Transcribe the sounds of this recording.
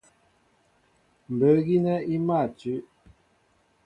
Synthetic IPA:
m˨bə˨˦ɣi˦nɛ˦i˦ma˦˨t͡ʃʉ˨˦ʔ

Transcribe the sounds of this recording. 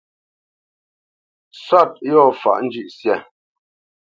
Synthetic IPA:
sa˦˨t̚jɔ˦˨fa̰˨ʔn̩˦d͡ʒi˦˨ʔsjɛ˦˨

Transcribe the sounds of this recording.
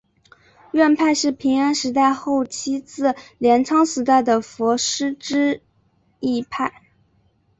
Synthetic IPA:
ɥɛ˥˧npʰa˥˧ɪʂɻ̩˥˩pʰi˧˥ŋa˥nʂɻ̩˧˥t̪̬a˥˧ɪxo˥˩ʊt͡ɕʰi˥t͡sɹ̩˥˩ljɛ˧˥nt͡sʰɑ˥ŋsɹ̩˧˥t̪a˥˩ɪd̪ə˩fɔ˧˥ʂɻ̩˥ʈ͡ʂɻ̩˥ | i˥˧pʰa˥˩ɪ

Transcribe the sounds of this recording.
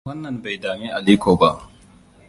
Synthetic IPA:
wɐ˦nːɐ˨mba˨jdaː˨miː˦ʔa˨liː˦kʷoː˨ba˦ʔ

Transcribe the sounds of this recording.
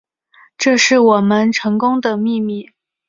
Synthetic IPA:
ʈ͡ʂɤ˥˧ʂɻ̩˥˩wɔ˨˩mə˦nʈ͡ʂʰɤ˧˥ŋkʊ˥ŋd̪ə˨mi˥˧mi˥˩

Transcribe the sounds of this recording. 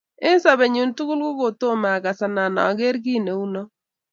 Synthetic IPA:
ɪ˦n˦sa˨βe˨ɲu˨ntu˦kʊ˦lɡʊ˦ɡo˨to˦ma˨ka˨sa˨na˨nɔ̰˨ɡe˦ɾɡi˦ne˨u˦no˦

